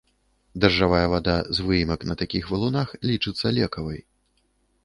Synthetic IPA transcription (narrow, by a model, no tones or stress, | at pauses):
d̪ɐrʐavajɐvad̪azvɨjmɐknɐt̪akʲixvɐlˠunaxlʲit͡ʂɨt̪sːɐlʲɛkɐvɐj